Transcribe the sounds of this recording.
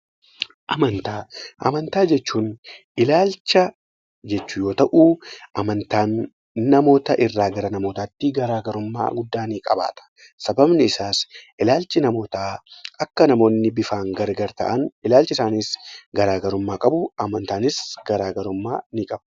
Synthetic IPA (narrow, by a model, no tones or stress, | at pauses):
ʔɐmɐnt̪aːʔɐ̰mɐnt̪aːd͡ʒɛt͡ʃːuːn | ɪlaːlt͡ʃːɐ | d͡ʒɛt͡ʃːʊjo̞ːt̪ɐʔuːʔɐmɐnt̪aːnː | ɐmo̞ːt̪ɐʔɪrːaːɡɐɾɐnɐmo̞ːt̪aːt̪ːɪɡɐɾaːɡɐɾʊmːa̰ːɡʊd̪ːaːnikʼɐba̰ːt̪ɐ̥ | sɐbɐbnɪɪsaːsʔɪlaːlt͡ʃɪnɐmo̞ːt̪aːʔɐkːɐnɐmo̞ːnːɪbɪfaːŋɡɐɾɡɐɾt̪ɐ̰ʔɐnɪlaːlt͡ʃɪsaːniːsɡɐɾaːɡɐɾʊmːaːkʼɐbʊɐmɐnt̪aːnɪsɡɐɾaːɡɐɾʊmːa̰ːnɪkʼɐb̥